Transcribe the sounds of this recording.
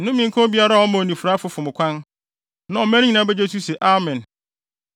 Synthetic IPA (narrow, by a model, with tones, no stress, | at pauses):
n̩˦nʊ̃˦mĩ˨ŋ˦kʰɔ̃˦bi˦a˦ɾa˦˨ɔ˦mã˨nĩ˨fu˨ɾa˦fʊ˦fʊ˨mʊ̃˨kʷʰã˦n | nã˨ɔ˨mæ̃˦nɪ̃˦ɲĩ˨nã˦bɛ˦d͡ʑe˦tʰu˦sɛ˨ʔa˦mɛ̃˨n